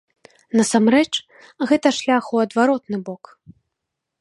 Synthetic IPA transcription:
nɐsamɾɛt͡ʂ | ɣɛt̪ɐʂlʲaxuwɐd̪vaɾɔt̪̚nɨbɔk

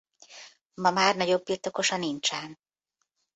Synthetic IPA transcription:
mɒmaːrnɒɟo̞bːirt̪o̞ko̞ʃɒnint͡ʃɛn

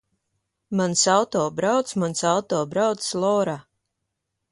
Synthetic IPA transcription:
mansawt̪ɔːbɾawt̪smansawt̪ɔːbɾawt̪slˠɔːɾa

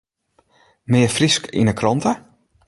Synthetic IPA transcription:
mɪəfriskḭnəkʰrɔntə

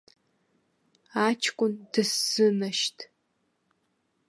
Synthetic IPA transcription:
aːt͡ʃʰkʷʼʊndɨsz̥ɨmɐʃtʰ

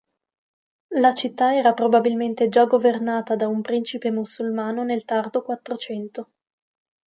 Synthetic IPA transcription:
lat͡ʃit̪ːaɛːɾapɾobabilment̪ed͡ʒaɡovernaːt̪ad̪aumpɾint͡ʃipemusːulmaːnonelt̪ard̪okwat̪ːɾot͡ʃɛnt̪o

